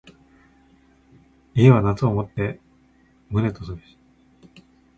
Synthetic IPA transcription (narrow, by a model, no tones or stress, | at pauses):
ie̞βanat͡sɨomo̞t̪ːe̞ | mɯ̟ɾe̞t̪osoɾɕi̥